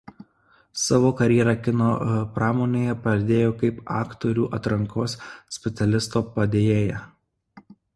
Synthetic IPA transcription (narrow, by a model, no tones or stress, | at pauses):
sɑːʋoːkɐɾʲjɛɾɑkʲɪnoːpɾɑːmoːnʲeːjɛpɐd̪ʲeːjoːkɐɪpɑ̰ːkt̪oːɾʲṵːʔɐt̪ɾɐŋkoːssʲpʲɛt̪sʲɛlʲɪst̪oːpɐd̪ʲeːjeːjɛ